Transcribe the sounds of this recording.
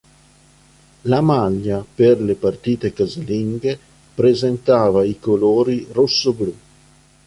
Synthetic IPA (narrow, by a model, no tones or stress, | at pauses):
lamaʎːaperlepart̪iːt̪ekazeliŋɡe | pɾezent̪aːvaikoloːɾirosːoblu